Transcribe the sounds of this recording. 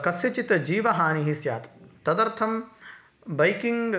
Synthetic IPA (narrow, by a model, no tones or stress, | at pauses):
kɐsjɐt͡ʃit̪d͡ʒiːʋɐɦaːniɦisjaːt̪t̪ɐd̪ɐɾt̪ʰɐm | bɐjkiŋɡ